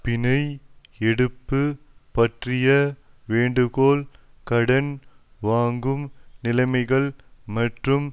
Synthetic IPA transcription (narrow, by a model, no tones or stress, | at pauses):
pɪnɐɪ | ɛɽɯpːɯ | pɐʈrɪjɐ | ʋeːɳɖɯɣoːl | kɐɽɐn | ʋaːŋɡɯmnɪlɐɪmɐɪɣɐɭmɐʈrɯm